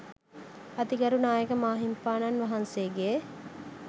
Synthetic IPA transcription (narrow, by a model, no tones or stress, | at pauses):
ɐt̪iɡɐɾunaːjekəmaːɦimpaːnɐnʋɐɦɐnseːɡe